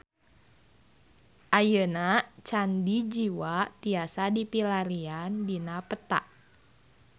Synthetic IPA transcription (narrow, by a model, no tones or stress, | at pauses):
ʔajənat͡ʃandid͡ʒiwat̪iasadipilaɾiandinapət̪a̰ʔ